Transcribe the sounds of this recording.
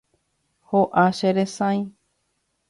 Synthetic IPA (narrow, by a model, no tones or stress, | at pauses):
hoʔaʃeɾesãĩ